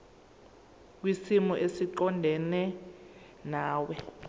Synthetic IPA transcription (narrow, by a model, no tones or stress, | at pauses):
k̬wisimɔʔesiǃɔndʱɛnɛ | naːwɛ